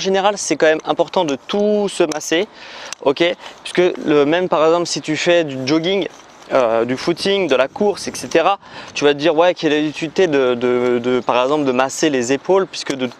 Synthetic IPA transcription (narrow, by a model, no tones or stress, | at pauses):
ɑ̃ʒeneʁalsɛkɑ̃mɛmɛ̃pɔʁt̪ɑ̃d̪ət̪usəmaseɔkʲepi̥skəəmɛmpaʁɛɡzɑ̃plsit̪yfɛd̪yd͡ʒoɡʲiŋ | ød̪yfut̪ʰiŋd̪əlakuʁsɛkset̪eʁat̪yvat̪əd̪iʁwɛkʲiɛlabit̪ylit̪ed̪əd̪əd̪əpaʁɛɡzɑ̃pld̪əmaselezepolpɥiskəd̪ə